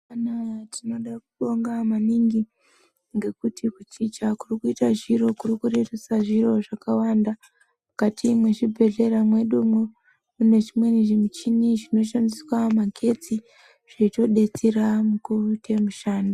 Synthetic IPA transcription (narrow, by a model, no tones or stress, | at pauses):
anatino̞ɗak̚uɗo̞ŋɡamaniŋɡi | ŋɡe̞kutʰikut͡ʃit͡ʃakurikuitaʐiɾo̞kurikure̞tesaʐiro̞ʐakawaːnda | mukatʰimwe̞ʐibʱe̞ɮe̞ɾamwe̞ɗumo | mune̞ʐimwe̞niʐimut͡ʃiniʐino̞ʃandiswamakʰe̞t͡si | ʐ̥eito̞ɗe̞t͡seramukurutʰe̞muʃaːndo